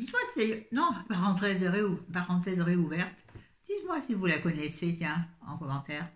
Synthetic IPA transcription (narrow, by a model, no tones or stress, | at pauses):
d̪it̪mwatajnɔ̃paʁɑ̃t̪χed̪əʁeupaʁːɑ̃t̪χed̪əʁeuvɛʁt̪ | d̪̥it̪mwasivulakɔnɛset̪jɛ̃ɑ̰̃kɔmɑ̃t̪ɛːʁ